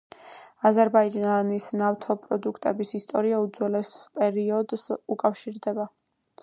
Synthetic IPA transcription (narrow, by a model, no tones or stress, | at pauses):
azɛɾbaid͡ʒanisnaft̪ʰɔpʼɾɔd̪ukʰt̪ʼɛbisist̪ʼɔɾiaud̪zwɛlɛspʼɛɾiɔd̪sukʼafʃiɾd̪ɛba